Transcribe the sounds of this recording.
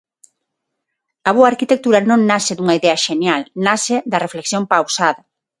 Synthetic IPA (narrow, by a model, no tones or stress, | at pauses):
ɐβ̞oaːɾkit̪ek̚t̪uɾɐnõŋnasɪðuŋɐiðɛɐʃenjalnasɪd̪ɐrefleksjõŋpawsaðɐ